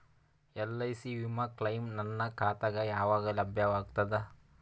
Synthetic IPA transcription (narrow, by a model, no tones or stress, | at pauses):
ɛlːɐisiʋimɐklɐjmnɐnːɐkʰaːt̪ɐɡɐjaːʋaːɡɐlɐbʱjɐʋaːɡt̪ɐd̪e